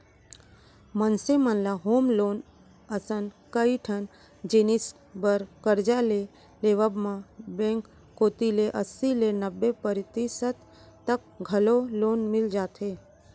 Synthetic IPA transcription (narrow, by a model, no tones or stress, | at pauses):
mənsemənlaɦoːmloːn | əsənkəiʈʰən | d͡ʒinis | bəɾkəɾd͡ʒale | leːʋəbmãbẽŋkː | oːt̪ileʔəsilenəbːepəɾɪt̪isət̪ː | ək̚ | ɡʱəloloːnmɪld͡ʒaːt̪ʰɦeː